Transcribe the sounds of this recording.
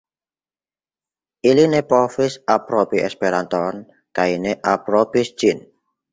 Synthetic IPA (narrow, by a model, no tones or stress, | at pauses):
ʔilinepɔfɪsapɾɔpiɛ̰spiɾant̪ɔn | kaineʔapɾɔpisd̥ʒ̥ɪn